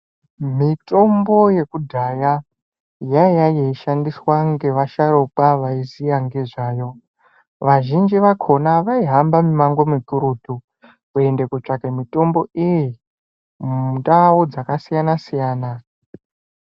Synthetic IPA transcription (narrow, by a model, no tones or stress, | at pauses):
mitʼo̞mbo̞je̞kudʱaja | jajajeiʃandiswaŋɡe̞ʋaʃaɾokaʋaizijaŋɡe̞ʐaːjo̞ | ʋaʒind͡ʒiʋakʰo̞naʋaiɦambamimaŋɡo̞mikuɾutu | kue̞ndekut͡ʂakemito̞mbo̞ʔiji | udaod͡zakasijanasijaːna